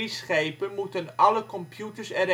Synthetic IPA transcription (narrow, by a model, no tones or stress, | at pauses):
isχejpənmutənɑləkɔmpjutəɹsɛɾ